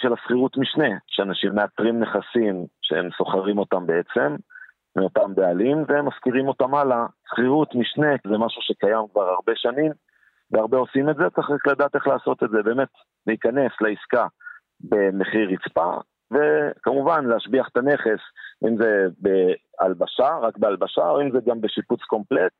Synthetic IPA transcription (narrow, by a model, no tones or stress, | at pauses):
ʃelasχiʁutmiʃne̞ʃeanaʃimːe̞at̪ʁimne̞χasimʃḛemso̞χaʁimo̞tambe̞et͡se̞mː | eo̞tambealimveemːaskiʁimo̞tamalasχiʁutmiʃne̞kzemaʃuʃe̞kajamkvaʁaʁbe̞ʃanim | veaʁbeo̞simetzet͡saχʁaklad̪aːt̪e̞χlaːso̞t̪e̞tzebeːme̞t̪ | leikane̞sleiska | be̞me̞χiʁit͡spa̰ | ve̞kamuvanleaʃbiaχet̪ane̞χe̞sʔimze̞bea̰lbaʃaʁakbealbaʃao̞imzeɡambe̞ʃiput͡sko̞mple̞t̪̚